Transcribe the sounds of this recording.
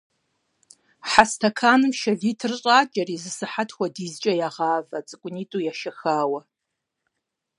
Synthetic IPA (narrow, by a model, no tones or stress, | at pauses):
ħastʰakʰaːnɨmʃɐɮiːtʰɨrɕʼaːt͡ʃʼɐriːzɨsɨħatʰxʷadizt͡ʃʼɐjaʁaːvat͡sʼɨkʷʼʊnitʼujaʃɐxaːwɐ